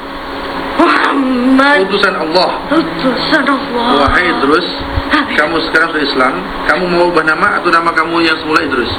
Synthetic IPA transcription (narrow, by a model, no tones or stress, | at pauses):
maamːaut̪usanɑlˤːɑhut̪usanlɔwaɦajd̪əɾʊs | kamusə̥kaɾaŋsiislam | kamumawbəhnamaːt̪awnamakamujaŋsəmulaid̪əɾʊs